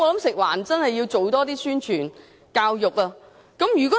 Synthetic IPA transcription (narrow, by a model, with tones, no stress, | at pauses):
ɔː˨˧lɐ˨˦˥msɪ˨k̚wa̰ː˨˩nt͡sɐ˥nhɐ˨jːi˧wt͡so˨˩wt̪ɔː˥t̪iː˥syː˥nt͡ʃʰyː˨˩n | kaː˧wjʊ˨k̚ɐː˧ | kɐ˨˥mjyː˨˩kɔː˨˥